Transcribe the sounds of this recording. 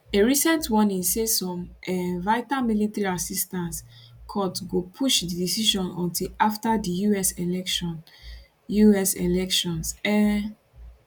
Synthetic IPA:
eɹisɛ̃ntʰwɔ̃nisesɔ̃mɛvaɪtãmilitaɹiasistãnskʰɔtɡopʰuʃdidisiʃɔ̃nɔ̰̃ntʰilaftadijuɛselɛkʃɔ̃n | juɛselɛkʃɔ̃nsɛ

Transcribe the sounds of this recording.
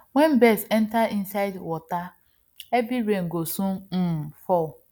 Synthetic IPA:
wɛnbɛsɛntain̩saɪdwɔta | ebiɾeŋ̩ɡosũfɔ

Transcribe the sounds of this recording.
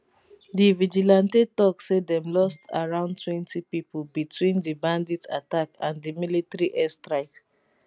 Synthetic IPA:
divid͡ʒilãntetɔksedɛ̃mlɔstʰa̰ɹãʊ̃ntʰwɛ̃ntipipɔbitʰwĩndibãnditʰa̰takãndimilitɹiʔɛstɹaɪt

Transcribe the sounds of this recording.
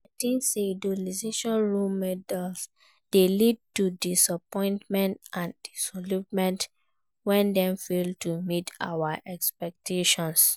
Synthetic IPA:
tĩnsedolizeʃɔ̃nɹulmɛdɛls | d̥elid̚tudisapɔ̃ɪ̃ntmɛ̃ntãndisɔlup̚mɛ̃nt | wɛ̃ndɛ̃mfeltumitʰa̰waʔɛkspɛk̚tʰeʃɔ̃ns

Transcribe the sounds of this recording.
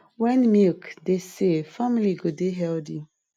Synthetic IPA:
wɛ̃nmikdesefamiliɡodeɦɛldi

